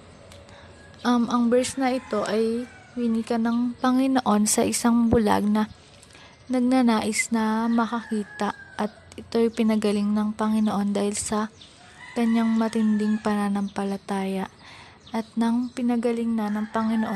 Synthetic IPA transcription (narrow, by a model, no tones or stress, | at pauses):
ʔɐmɐŋbɛɹsnɐʔɪt̪o̞ʔɐj | wɪnikɐnɐŋpɐŋɪnoʔo̞nsɐʔɪsaŋbʊla̰ɡ̚nɐ | nɐɡ̚nɐnaːʔɪsnɐmɐkɐkiːt̪ɐʔɐt̪̚ʔɪt̪o̞jpɪnɐɡɐlɪŋnɐŋpɐŋɪnoʔo̞nd̪aːhɪlsɐ | kɐɲːaŋmɐt̪ɪnd̪ɪŋpɐnanɐmpɐlɐt̪aːjɐʔ | ʔɐt̪̚nɐŋpɪnɐɡɐlɪŋnɐnɐŋpɐŋɪnoʔo